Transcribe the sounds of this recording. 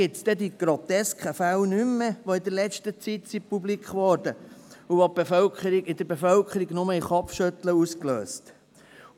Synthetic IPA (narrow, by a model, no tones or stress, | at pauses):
ɪt̪sd̥̪ɛd̪iɡ̥ɾot̪ɛskʰəfælnymːəʋoɪd̪əɾlɛstət͡sit̪sipublikχʋɔːɾd̥əuʋob̥efœlkχəɾiɡɪd̥̪əɾbefœlkχəɾiɡnʊməiχɔpfʃœt̪ləusklø̰ːst